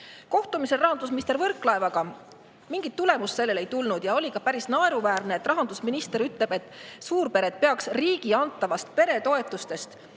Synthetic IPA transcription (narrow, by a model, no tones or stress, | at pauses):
ko̞ht̪umise̞rɑɦɑnd̪us̬minist̪eɾvɤrkːˑlɑe̞vɑɡ̥ɑ | miŋɡ̥it̪ːule̞musse̞lːe̞le̞jt̪ulnud̪̥jɑo̞lʲikɑpæɾisnɑe̞ɾuvæːɾneet̪ːˑrɑɦɑnd̪usminist̪e̞ɾyt̪le̞b̥e̞t̪ːˑsuːɾpe̞ɾe̞d̪̥̚pe̞ɑksriːɡiɑnt̪ːˑɑvɑst̪̚pe̞ɾe̞t̪o̞e̞t̪ːˑust̪e̞st̪